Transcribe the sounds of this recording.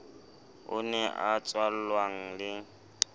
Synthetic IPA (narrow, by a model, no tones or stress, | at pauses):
ʊ̰nɛʔat͡sʼwal̩lwaŋ̩lɪ